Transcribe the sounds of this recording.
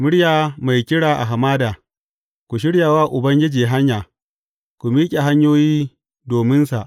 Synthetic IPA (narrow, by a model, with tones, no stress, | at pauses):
mʊ˦ɽjaː˨ma˨jkʲɪ˦ɽaː˨ʔa̰˨ɦa˨maː˦daː˨ | kʷu˨ʃ̬ɪ˦ɽjaː˨waː˦ʔʊ˨bɐ˦ŋɡʲɪ˦d͡ʒiː˨ɦa˦ɲjaː˨ | ku˨miː˦kʲʼe˨ɦa˦ɲjoː˦jiː˦ | doː˨mɪ˦nsa˨ʔ